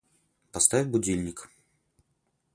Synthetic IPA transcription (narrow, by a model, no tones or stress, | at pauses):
pɐst̪avʲɪbʊdʲilʲnʲɪk